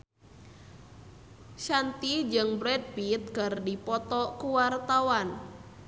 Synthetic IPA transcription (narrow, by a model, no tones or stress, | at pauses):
ʃant̪id͡ʒɨŋbɾɛd̪̚bit̪̚kərdipɔt̪ɔkuwart̪awan